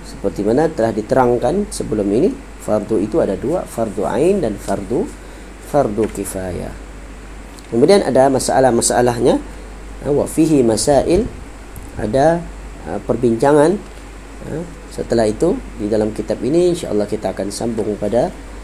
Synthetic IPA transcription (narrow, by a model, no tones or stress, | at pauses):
sə̥pərt̪imanat̪əlahdit̪əɾaŋkansəbəlʊmini | fard̪uit̪uadadua̰fard̪ua̰jndanfard̪u | fard̪ukifaja̰ | kəmudiana̰damasaa̰lahmasaalaɦɲa | wa̰fiɦimasaʔɪl | ʔa̰da | ə̰pərbiɲt͡ʃaŋan | ə̰ | sət̪əlahit̪udidalamkit̪apiniinʃa̰ʔɑ̰lˠːɑhkit̪aːkansambʊŋpada